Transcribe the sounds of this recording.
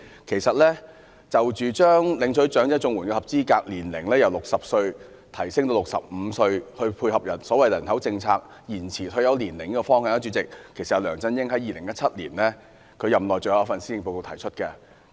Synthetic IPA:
kʰe˨˩jsɐ˨t̚lɛː˥ | t͡sɐ˨wt͡ʃyː˨t͡ʃœː˥ŋlɪ˨˥ŋsʰɵ˨˥ɥt͡ʃœː˨˥ŋt͡sɛ˥t͡sʊ˧ŋwuː˨˩nkɛː˧hɐ˨p̚t͡siː˥kaː˧k̚liː˨˩nlɪ˨˩ŋlɛː˥jɐ˨wlʊ˨k̚sɐ˨p̚sɵ˧ɥ | t̪ʰɐ˨˩jsɪ˥ŋt̪o˧lʊ˨k̚sɐ̰˨p̚m̩˨˧sɵ˧ɥhɵ˧ɥpʰuː˧jhɐ˨p̚jɐ˨˩nsɔː˨˥wɐ˨jlɐ˨˩nhɐ˨˥wt͡sɪ˧ŋt͡sʰaː˧k̚ | jiː˨˩nt͡sʰiː˨˩t̪ʰɵ˧jɐ˨˧wliː˨˩nlɪ˨˩ŋːkɛ˧fɔː˥ŋhɐː˨ŋjɐ˥t͡ʃyː˨˧˥t͡sɪ˨k̚kʰe˨˩sɐ˨jɐ˨˧wlœː˨˩ŋt͡sɐ˧njɪ˥ŋɦɐ˨˥jiː˨lɪ˨˩ŋjɐ˥t̚t͡sʰɐ˥t̚lḭː˨˩nlɛː˥ | kʰɵ˨˧ɥjɐ˨mlɔː˨jt͡ʃɵ˨˧ja˨˧ɐ˥fɐ˨nsi˥jɪ˧ŋpo˧ko˧wt̪ʰɐ˨˩jt͡ʃʰt̚kɛ˧

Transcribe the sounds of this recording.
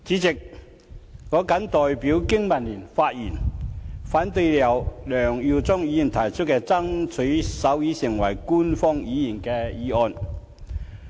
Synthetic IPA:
t͡siː˨˥t͡sɪ˨k̚ | ŋɔː˨˥kɐ˨˥nt̪ɔː˨jpiː˨˥wkɪ˥ŋmɐ˨˩nliː˨˩nfaː˧t̚jḭː˨˩nfaː˨˥nt̪ɵ˧jlɐ˨˩wlœː˨˩ŋjy˨˧wt͡sɔ˥ŋjiː˧˥ji˨˩nt̪ʰɐ˨˩jt͡ʃʰɵ˥t̚kɛː˧t͡sɐ˥ŋt͡sʰɵ˨˥jsɐ˨˥wjiː˨˥sɪ˨˩ŋwɐ˨˩jkuː˥nfɔː˥ŋjiː˨˧˥jiː˨˩nkɛː˧jiː˨˧ɔː˧n

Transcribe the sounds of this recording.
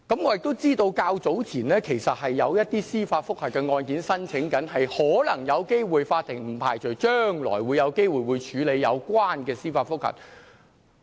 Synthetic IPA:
kɐ˨˥mŋɔː˨˧jɪ˨k̚t̪o˥wt͡siː˥t̪o˧wkaː˧wt͡so˨˥wt͡sʰiː˨˩nlɛː˥kʰe˨˩jsɐ˨t̚hɐ˨jːɐ˨˧wjɐ˥t̚t̪iː˥siː˥faː˧t̚fʊ˥k̚hɐ˨˩t̚kːɛː˧ŋɔː˧nkiː˨˥nsɐ˥nt͡sʰɪ˨˥ŋkɐ˨˥nɦɐ˨jhɔː˨˥lɐ˨˩ŋjɐ˨˧wke˥jwuː˨jfaː˧t̪ʰːɪ˨˩ŋm̩˨˩pʰaː˨˩jt͡sɵ˨˩t͡ʃœː˥ŋlɔ̰ː˨˩jwuː˨˧jɐ˨˧wke˥jwuː˨jwu˨˧jt͡ʃʰyː˨˥le˨˧jːɐ˨˧wkʷaː˥nkɛː˧siː˥faː˧t̚fʊ˥k̚hɐ̰˨˩t̚

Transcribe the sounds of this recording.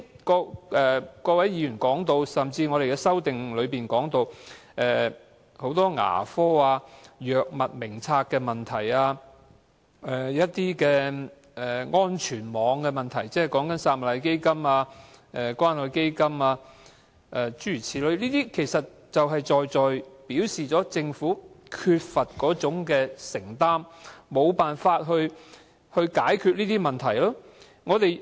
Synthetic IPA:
kɔː˧ʔɛː˨kɔː˧wɐ˨˥jjiː˨˧jyː˨˩nkɔː˨˥ŋt̪o˧wsɐ˨mt͡siː˧ŋɔ˨˧ɾe˨jkɛː˧sɐ˥wt̪ɪ˨ŋlɵ˨˧ɥpiː˨nkɔː˨˥ŋt̪o˧wɛː˨ | ho˨˥wt̪ɔː˥ŋa̰ː˨˩fɔː˥aː˧jœː˨k̚mɐ˨t̚mɪ˨˩ŋt͡sʰaː˧k̚kːɛ˧mɐ˨nt̪ʰɐ˨˩jaː˧ | ɛː˨jɐ˥t̚t̪iː˥kɛː˧ | ɛ˨˩ŋɔː˥nt͡ʃʰyː˨˩nmɔː˨˧ŋkɛ˧mɐ˨nt̪ʰɐ˨˩jt͡sɛː˥ɛ˨jkɔː˨˥ŋkɐ˨˥nsaː˧t̚mɐ˨t̚lɐ˨˧jke˥jkɐ˥maː˧ɛ˨kwaː˥nhɵ˨˧ke˥jkɐ˥maː˧ | ʔɛː˧t͡ʃyː˥yː˨˩t͡sʰiː˨˥lɵ˨˧˥ɥniː˥t̪iː˥kʰe˨˩jsɐ˨t̚ | t͡sɐ˨wɦɐ˨jt͡sɔː˨jt͡sɔː˨jpiː˨˥wsiː˨t͡sɔː˨˥t͡sɪ˧ŋfuː˨˥kʰyː˧t̚fɐ˨t̚kɔː˨˥t͡sʊ˨˥ŋkɛː˧sɪ˨˩ŋt̪aː˥mːo˨˧wpaː˨nfaː˧t̚ɦɵ˧ɥ | hɵ˧ɥkaː˨˥jkʰyː˧t̚niː˥t̪iː˥mɐ˨nt̪ʰɐ˨˩jlɔː˥ | ŋɔː˨˧t̪e˨j

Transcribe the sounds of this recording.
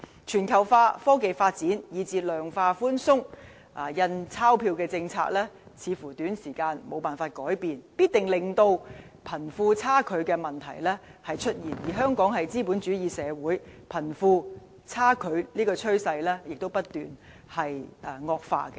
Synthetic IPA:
t͡ʃʰyː˨˩nkʰɐ˨˩wfaː˧fɔː˥ke˨jfaː˧t̚t͡siː˨˥njiː˨˧t͡siː˧t̚lœː˨ŋfaː˧fuː˥nsʊ˥ŋ | ʔa˨jɐ˧nt͡sʰaː˥wpʰiː˧wkɛː˧t͡sɪ˧ŋt͡sʰa̰ː˧˥k̚lɛː˥t͡sʰiː˨˧fuː˨˩t̪yː˨˥nsiː˨˩kaː˧nmo˨˧wpaː˨nfaː˧t̚kɔː˨˥jpiː˨npiː˥t̚t̪ɪ˨˩ŋlɪ˨˩ŋt̪o˧w | pʰɐ˨˩nfuː˧t͡sʰaː˥kʰɵ˨˧ɥkɛː˧mɐ˨nt̪ʰɐ̰˨˩jlɛː˥hɐ˨jt͡ʃʰɵ˥t̚jiː˨˩njiː˨˩ɦœː˥ŋkɔː˨˥ŋɦɐ˨jt͡siː˥puː˨˥nt͡ʃyː˨˥jiː˨˧sɛː˨˧wuː˨˥jpʰɐ˨˩nfuː˧ | t͡sʰaː˥kʰɵ˨˧ɥliː˥kɔː˧t͡ʃʰɵ˥ɥsɐ˧jlɛː˥jɪ˨k̚t̪o˥wpɐ˥t̚t̪yː˨n | hɐ˨jŋɔː˧k̚fa̰ː˧kɛ˧

